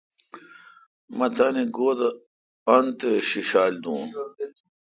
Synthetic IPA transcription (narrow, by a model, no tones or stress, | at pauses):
mɐt̪ʰaniɡoːd̪ɐ | ɐnt̪eɕiɕaːlʲd̪ũːn